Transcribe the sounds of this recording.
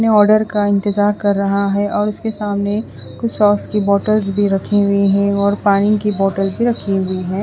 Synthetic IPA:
neɔːɾɖəɾkaɪ̃nt̪ɪzaːɾkɐɾːɐɦaɦɛʔɔːɾʊskesaːmne | kʊt͡ʃʰsɔːskibɔːʈəlzbʱiɾɐkʰeɦʊiɦɛ̃ɔːɾpaːñɪ̃kibɔːʈəlzbʱiɾɐkʰiɦʊiɦɛ̃ː

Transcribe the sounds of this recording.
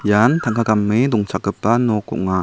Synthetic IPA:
jant̪ʰaŋkʰaɡamːid̪uŋt͡ʃʰakɯp̚tanɔkṵʔ̚ŋa

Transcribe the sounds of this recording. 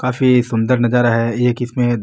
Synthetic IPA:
kaːfisʊ̃nd̪əɾnɐd͡ʒaːɾaɦɛjekɪsmẽ

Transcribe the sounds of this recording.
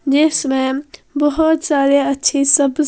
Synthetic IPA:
d͡ʒeːsmẽbɐɦʊt̪saːɾeətːʃʰisəb

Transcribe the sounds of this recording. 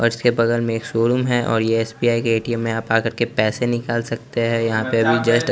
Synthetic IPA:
ɔ̰ːɾɪskebɐɣəlmẽeːkʃoːɾʊmɦɛʔɔ̰ːɾjeɛːsbiːaːikeeːʈiemːẽaːpaːkəɾkepɛːsenɪkaːlsɐk̚t̪eɦɛjɐɦãpeɐbʱid͡ʒɐsʈ

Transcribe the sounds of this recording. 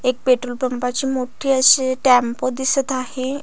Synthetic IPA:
ek̚peʈɾulpəmpat͡ɕiːmoʈʰiːəɕeʈɛmpod̪isət̪aɦe

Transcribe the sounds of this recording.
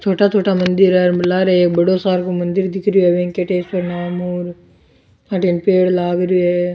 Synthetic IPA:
t̪ʰoːʈaːt̪ʰoːʈaːmɐnd̪ɪɾlaːɾeeːk̚bɐɽoːsaːɾkomɐnd̪ɪɾd̪ɪkʰɾjoeʋẽːŋkeʈeːspɐɾnaːmuːɾ | aːʈeːnpeːɽlaːɡɾjoɦe

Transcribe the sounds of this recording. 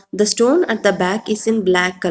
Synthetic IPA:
d̪əsʈõːnæʈ̚d̪əbækɪzɪ̃nblækːʌ

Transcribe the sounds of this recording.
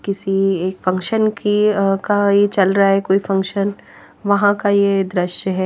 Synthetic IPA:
kɪsieːkfɐ̃ŋkʃənkikajet͡ʃɐlɾaaɦɛkoːifɐ̃ŋkʃən | ʋɐɦãkajed̪ɾɪʃjəɦɛː

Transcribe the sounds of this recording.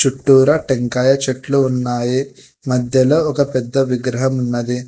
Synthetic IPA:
t͡ʃuʈːuːɾɐʈeŋkaːjɐt͡ʃɐʈluːnːaːji | mɐd̪ʱjɐloːɔkɐpɛd̪ːɐʋiɡɾɐɦɐmunːɐd̪i

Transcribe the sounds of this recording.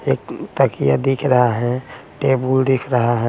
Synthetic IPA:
eːk̚t̪əkijad̪ikʰɾəɦaɦɛ̃ʈebuld̪ikʰɾəɦaɦɛ

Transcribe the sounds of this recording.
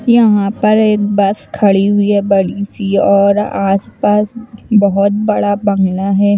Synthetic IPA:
jɐɦãpɐɾeːk̚bɐskʰɐɭiɦʊiɦɛbɐɽisiɔːɾaːspaːsbɐɦʊt̪̚bɐɽabɐ̃ŋɡlaɦɛː

